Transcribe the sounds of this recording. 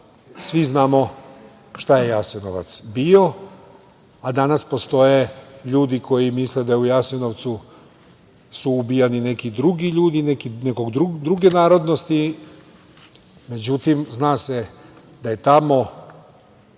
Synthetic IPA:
sʋiznaːmo̞ | ʃt̪aje̞jasinoʋa̰t̪sbio̞ | ad̪anaspo̞st̪o̞je̞ʎuːd̪ikʰo̞jimisled̪ajeujasino̞ʋt̪su | suːbijanine̞kid̪ɾuɡiʎuːd̪inekineko̞ɡd̪ɾud̪ɾuɡe̞naːɾo̞d̪no̞st̪i | me̞d͡ʑut̪imznaːse | d̪aje̞t̪amo̞

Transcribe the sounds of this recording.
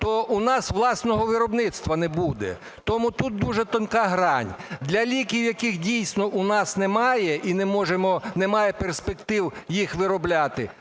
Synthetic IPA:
t̪ɔunɑsʋlˠɑsnɔɦɔʋɪɾɔbnɪt̪st̪ʋɐnɛbud̪ɛ̰ | t̪ɔmut̪ut̪̚d̪uʒɛt̪ɔnkɑɦɾɑnʲd̪lʲɐlʲikʲiwjɐkɪxdʲijsʲnɔʔunɑsnɛmɑjɛʔinɛmɔʒemɔnɛmɑjɛperspekt̪ɪwjixʋɪɾɔblʲat̪ɪ

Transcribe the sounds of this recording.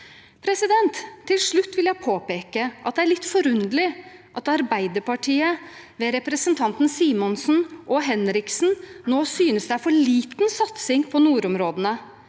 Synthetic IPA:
pʰɾɛsɪd̪ɛnt̪ʰːɪlʂɭʉt̪ːʋɪljæɪpʰoːpeːkəʔɑt̪̚d̪ɛæɾɭɪt̪ːfɔɾʉnd̪əlɪʔɑt̪ɑɾbæɪd̪əɾpɑʈʰiːə | ʋɛɾɛpɾəsənt̪ʰɑnt̪n̩siːmɔnsn̩ʔɔɦɛnɾɪksn̩noːsyːnəsd̪æfɔɭiːt̪nsɑt̪sɪŋpʰɔnuːɾʊmɾoːd̪ənə

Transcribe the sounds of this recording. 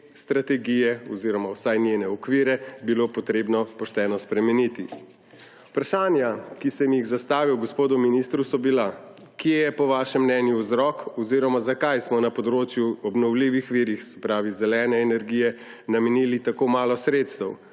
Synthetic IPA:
st̪ɾat̪ɛɡijɛɔziːɾɔmawsajnjenɛɔkʋiːɾɛbilopɔt̪ɾebnɔpɔʃt̪ɛːnɔspɾɛmɛnit̪i | upɾaʃaːnjakisɛmjiɣzast̪aːʋiwɡɔspoːd̪uminist̪ɾusɔbila | kjejɛpɔʋaːʃɛmːnɛnjuwzɾɔkɔziːɾɔmazakajsmɔnapɔd̪ɾoːt͡ʃjuɔbnɔwliʋixʋiːɾixsɛ̥pɾaːʋizɛlɛːnɛːnɛɾɡijɛ | namɛniːlit̪akomaːlɔsɾet̪st̪ɛw

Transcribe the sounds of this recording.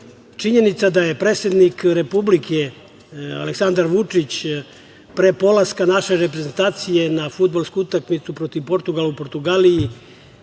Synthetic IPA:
t͡ʂiɲe̞nit̪sad̪aje̞pɾe̞ːt̪sʲe̞d̪nikɾe̞publikʰe̞ | a̰leksand̪aɾʋut͡ʂit͡ɕ | pɾepo̞laskanaʃe̞ɾepɾe̞zent̪aːt̪sije̞nafud̪̚balˠskuut̪akmit̪supɾo̞t̪iʋpo̞ɾt̪uɡalaupo̞ɾt̪uɡaliji

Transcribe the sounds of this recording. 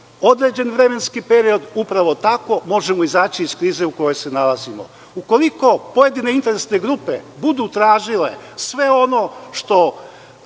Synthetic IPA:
o̞d̪ɾe̞d͡ʑe̞nʋɾe̞me̞nskipe̞ɾio̞d̪upɾaʋo̞t̪ako̞mo̞ʒemo̞izaːt͡ɕiːskɾiːze̞uko̞jo̞jse̞nalazimo̰ | uko̞liko̞poje̞d̪ine̞int̪e̞ɾesne̞ɡɾupe̞̰bud̪ut̪ɾaːʒile̞̰sʋe̞o̞no̞ʃt̪o̞

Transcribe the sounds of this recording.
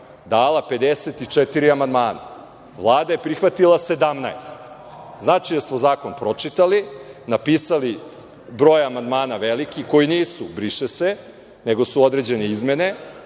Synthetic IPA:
d̪aːlˠape̞d̪eset̪it͡ʂet̪iɾiamand̪maːna̰ | ʋlˠaːd̪ajepɾixʋat̪ilˠase̞d̪amnaest̪ | znaːt͡ʃijasmozaːko̞npɾo̞t͡ʂit̪alinapiːsali | bɾo̞ːjamand̪maːnaʋelikiko̞jiniːsubɾiʃese | ne̞ɡo̞suo̞d̪ɾed͡ʑe̞neizme̞ne̞

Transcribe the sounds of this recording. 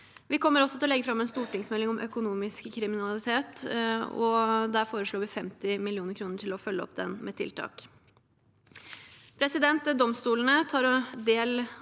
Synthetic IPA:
ʋɪkʰɔmːəɾɔsːɔt̪ʰɪlɔlɛɡːəfɾɑmɛːnst̪uːʈɪŋsmɛlːɪŋɔmʔœkʊnuːmɪskʰːɾɪmɪnɑlɪt̪ʰeːt̪ɔ̰d̪æɾfoːɾəʂɭoːʋɪfɛmt̪ɪmɪlɪuːnəɾkʰɾuːnəʈʰɪlɔfœlːəɔ̰p̚d̪ɛ̰nmɛ̰ːt̪ʰɪ̰lt̪ʰɑ̰ːk | pʰɾɛsɪd̪ɛnt̪d̪ɔmst̪uːlən̩ət̪ʰɑːɾɔd̪eːl

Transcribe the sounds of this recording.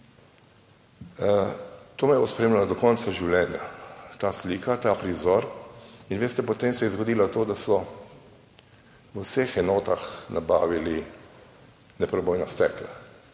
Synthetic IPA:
t̪oːmɛjɛbospɾɛeːmlalad̪ɔkɔnt̪saʒiwlʲɛːnjat̪aːsliːkat̪aːpɾizɔɾinʋeːst̪ɛpɔt̪emsɛjɛzɡɔd̪iːlat̪oːd̪asɔ | ʋəwsexɛnoːt̪axnʔabaːʋili | nɛpɾɔbɔjnast̪ɛːkla

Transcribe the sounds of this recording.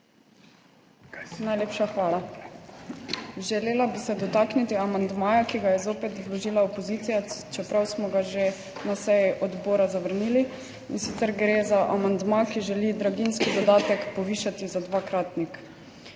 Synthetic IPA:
najleːpʃaxʋaːla | ʒɛleːlabisɛd̪ɔt̪aːknit̪iamand̪maːjakiɡajɛzoːpɛt̪vlɔʒiːlaopɔziːt̪sijat͡ʃɛpɾawsmɔɡaʒe | nasɛjiʔɔd̪boːɾazaʋəɾniːli | insit̪sɛɾɡɾeːzaʔamand̪makiʒɛlid̪ɾaɡinskid̪ɔd̪aːt̪ɛkpɔʋiːʃat̪izad̪ʋaːkɾaːt̪nik

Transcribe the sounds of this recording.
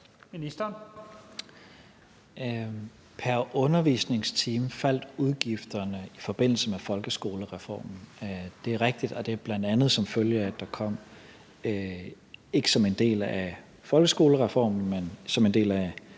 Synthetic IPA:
minisd̥ɐn | pʰæɐʔɔ̽nɐʋḭːsne̝ŋst͡sʰiːmfæl̰d̥uðˠɡ̥ifd̥ɐnəifɒ̽b̥e̝n̰l̩səmefɒ̽lɡ̥əsɡ̥o̝ːləʁɛfɒ̰ːmn̩d̥e̝æɐʁeɡ̥̚d̥id̥ɒ̽d̥e̝æɐb̥lænd̥ænð̞̩ˠsɒ̽mføljəæd̥ɑ̈kʰɒ̽m̰ | e̝ɡ̥ə̥sɒ̽me̝nd̥e̝̰ːlæ | fɒ̽lɡ̥əsɡ̥o̝ːləʁɛfɒ̰ːmn̩mensɒ̽me̝nd̥e̝̰ːlæ

